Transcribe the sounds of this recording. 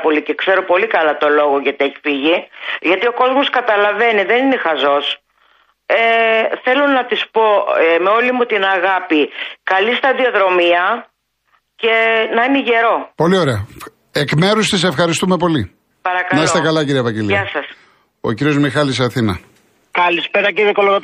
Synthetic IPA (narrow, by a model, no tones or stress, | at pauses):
po̞lice̞kse̞ɾo̞po̞likɐlɐt̪o̞lo̞ɣo̞ʝɐt̪ieçi̥fiʝiʝɐt̪io̞ko̞zmo̞skɐt̪ɐlɐve̞niðe̞nine̞xɐzo̞s | eθe̞lonɐt̪ispo̞me̞o̞limut̪inɐɣɐpikɐlist̪ɐðio̞ðɾo̞miɐ | ce̞nɐineʝe̞ɾo̞po̞lio̞ɾeɐ | ekmeɾust̪ise̞fxɐɾist̪ume̞po̞li | pɐɾɐkɐlnɐisot̪ekɐlɐciɾievɐɲɟeliɐsɐs | o̞̰ciɾiozmixɐlisɐθinɐ | kɐlispeɾɐciðekoloɣɐt̪